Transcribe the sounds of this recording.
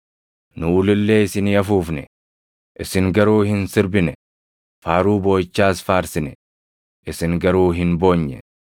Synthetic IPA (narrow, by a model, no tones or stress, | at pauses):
nʊːlɪlːe̞ːɪsɪniːɐfuːfnɛ | ʔɪsɪŋɡɐɾuːhɪnsɪɾbɪnɛ | faːɾuːbo̞ːt͡ʃːaːsfaːɾsɪnɛ | ʔɪsɪŋɡɐɾuːɦɪnbo̞ːɲːɛ̰